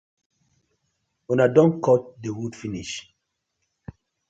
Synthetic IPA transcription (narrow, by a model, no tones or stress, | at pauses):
unadɔ̃nkɔt̚dewudfinḭʃ